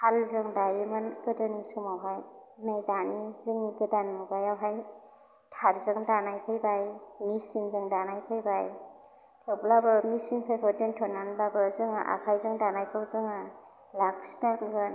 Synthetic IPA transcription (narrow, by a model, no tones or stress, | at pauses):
halzɯŋdajimɯnkɯdɯnisumawɦajnɯjdanizɯŋniɡɯdanmuɡajawɦaj | tʰaɾzɯŋdanajpʰɯjbajmisiŋzɯŋdanajpʰɯjbaj | tʰɯblabɯmisiŋpʰɯjkʰɔdɯntʰɔnanbabɯzɯŋa̰ʔa̰kʰajzɯŋdanajkʰɯwzɯŋa | laksnanɡɯn